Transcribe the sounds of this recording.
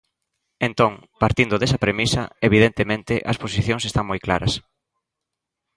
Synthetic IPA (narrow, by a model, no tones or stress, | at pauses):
ent̪õŋpaɾt̪ind̪ʊðesɐpɾemisɐ̰eβiðent̪emẽnt̪ɪʔɐsposiθjõŋsest̪ãŋmojkla̰ɾɐ̰s